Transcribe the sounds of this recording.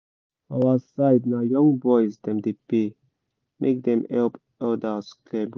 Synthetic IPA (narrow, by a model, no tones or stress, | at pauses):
awəsaɪdnajɔ̃ŋbɔɪzd̪ɛ̃mdepe | mʔḛk̚d̪ɛ̃mɛlp | ɔldaskʰlɛb